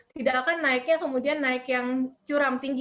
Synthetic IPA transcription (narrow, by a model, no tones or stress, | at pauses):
t̪idaʔkanːaɪk̚ɲakəmudianːaɪkjaŋt͡ʃuɾamt̪iŋɡ